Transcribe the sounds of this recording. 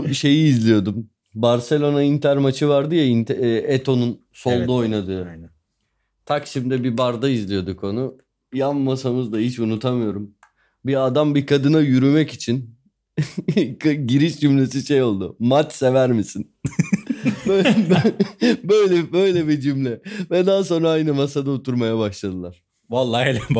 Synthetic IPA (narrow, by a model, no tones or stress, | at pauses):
ʃe̞jiːzlʲijo̞d̪um | baɾse̞lʲo̞naint̪ʰæɾmat͡ʃʰɯvaɾd̪ɯjaint̪ʰɛet̪ʰo̞nun | solˠd̪uo̞jnad̪ɯ | t̪ʰakʃimd̪ɛbibaɾd̪aizlʲijo̞d̪ukʰo̞nu | jamːasamɯzd̪aɦit͡ʃunut̪ʰamɯjo̞ɾum | biad̪ambikʰad̪ɯnajyɾymɛcit͡ʃʰin | ɟiɾiʃd͡ʒymlʲes̬iʃejo̞lˠd̪ʊ̰mat͡ʃsevæɾmisin | bø | bøjlʲɛbø̞jlʲɛbid͡ʒymlʲɛvɛd̪aːso̞nɾaajnɯmasad̪aot̪ʰuɾmajabaʃlˠad̪ɯlˠaɾ̥ | valˠːailʲɛ